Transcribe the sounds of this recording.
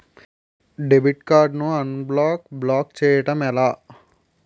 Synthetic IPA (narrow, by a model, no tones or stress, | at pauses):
ɖebiʈkaːɾɖnuɐnblaːkblaːkt͡ʃɛːjɐʈɐmɛlaː